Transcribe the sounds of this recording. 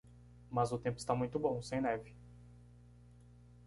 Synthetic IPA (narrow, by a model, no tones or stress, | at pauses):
mɐzʊt̪ẽpʊɪst̪amũj̃t̪ʊbõw̃sẽj̃nɛvɪ